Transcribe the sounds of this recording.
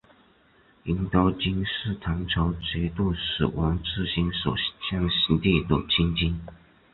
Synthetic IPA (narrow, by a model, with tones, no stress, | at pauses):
i˧˥nt̪ɑ˥ʊt͡ɕi˥nʂɻ̩˥˩t̪ʰɑ˧˥ŋʈ͡ʂʰɤ˧˥ʊt͡ɕi˧˥t̪u˥˩ʂɹ̩˨˩wʔɑ˧˥ŋʈ͡ʂɹ̩˥˩ɕi˧˥nʂo˨˩ɕjɑ˥˩ŋɕi˧˥t̪i˥˧t̪ə̰˨˩t͡ɕʰi˥nt͡ɕi˥n